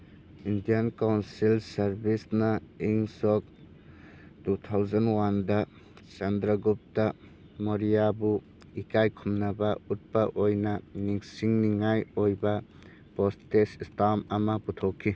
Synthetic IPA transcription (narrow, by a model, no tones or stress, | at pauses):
indijankawnsilsɐɾbisnɐiŋsok̚ | tutʰawzanwandɐ | t͡ʃɐndɾɐɡup̚tɐ | moɾijabu | ikajkʰumnɐbɐut̚pɐʔojnɐniŋsiŋniŋajojbɐ | postesistʰamɐmɐputʰokʰːi